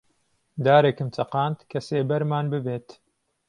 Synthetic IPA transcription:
d̪aːɾeːkɨmt͡ʃʰɐqaːnt̪kʰɐseːbɐɾmaːnbɨbeːt̪

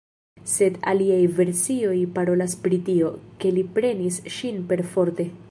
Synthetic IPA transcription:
se̞da̰liajve̞ɾsio̞jpaɾo̞laspɾitio̞ke̞lipɾe̞nisʃinpe̞ɾfo̞ɾte̞

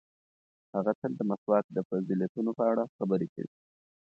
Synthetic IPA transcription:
haɣat̪əld̪əmaswɑk̪̚d̪əfaziljat̪unopəaɽaxabəɾeka̰wi

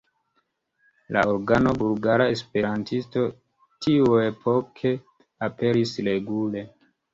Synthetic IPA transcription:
la̰oɾɡano̞bulɡaɾaespe̞ɾantʰisto̞ | tʰiuepʰo̞kʰe̞ | ape̞ɾisɾe̞ɡule̞

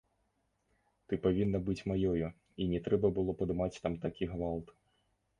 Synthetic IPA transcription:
t̪ɨpavʲinːɐbɨt͡sʲmajɔju | inʲɛt̪ɾɛbɐbɨlˠɔpɐd̪ɨmat͡sʲt̪amt̪akʲiɣvalˠt̪

